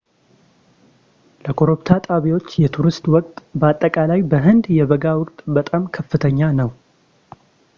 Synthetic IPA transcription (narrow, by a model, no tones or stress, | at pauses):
ləkʰoɾopt̪ʰat̪ʼaβiwo̞t͡ʃːjɛt̪ʰuɾɨst̪wɔkʼt̪ʼbəat̪ʼːəkʼalajbəɦɨnd̪jɛβəɡawʊkʼt̪ʼbət̪ʼamkʰəfːɨt̪ʰəɲːanəw